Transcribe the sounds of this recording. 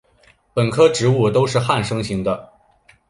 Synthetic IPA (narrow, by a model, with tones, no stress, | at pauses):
pə˨˩nkʰɤ˥ʈ͡ʂɻ̩˧˥u˥˩t̪o˥ʊʂɻ̩˥˧xa˥˩nʂɤ˥ŋɕi˧˥ŋd̪ə˧